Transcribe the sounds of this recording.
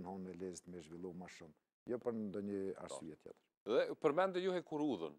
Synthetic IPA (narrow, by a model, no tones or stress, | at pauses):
nhɔnnɛlɛzt̪mɛʒvilˠumaʃum | jɔpəɾnd̪ɔɲəa̰ɾsyjɛt̪jɛ̰t̪əɾ | ðɛpəɾmɛnd̪əjuhɛkuɾuðən